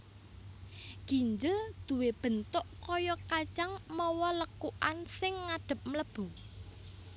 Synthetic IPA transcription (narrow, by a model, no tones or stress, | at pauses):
ɡ̥i̤ɲd͡ʒəld̪̥uweb̥ə̤nt̪ʊʔkɔjɔkḁt͡ʃaŋmɔwɔləkuʔansɪŋːaɖ̥ə̤p̚mələb̥u